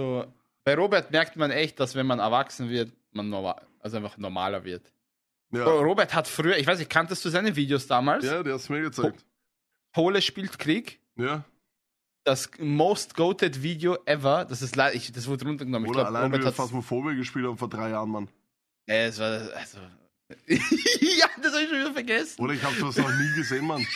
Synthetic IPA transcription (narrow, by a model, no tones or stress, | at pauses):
zo | b̥aɪʁoːbɛɐtmɛɐk̚tmanɛçt̚d̥asv̥ɛnmanɛɐvaksn̩vɪɐt | manːɔma̰ʔalzoʔaɪnfaχnɔɐma̰ːlɐvɪɐt | jaʁoːbɛɐthatfʁ̥yːɐɪçvaɪsnɪçkʰantəstd̥uːzaɪnəviːdeosd̥aːmaːlsjadiːhastumiːɐɡət͡sak̚t | hʰoːləʃpiːltkʁ̥iːk | jaː | d̥asmoʊstɡ̥oʊtətviːdeoʔɛvɐd̥asɪstlaɪdʔɪçd̥as̬v̥ʊɐdəʁʊntɐɡənɔmənɪç̥ːaalaɪoːbɛɐthataɐstmafoɐbiɐɡəʃpiːlthaːbm̩foːɐdʁaɪjaːʁənman | ɛasvaːɐʔa̰lz̥o | jaːd̥ashabɪçʃoːnviːdɐfɛɐɡɛsn̩oːɾɐɪçhaːbduːdasnɔχniːɡəzeːnman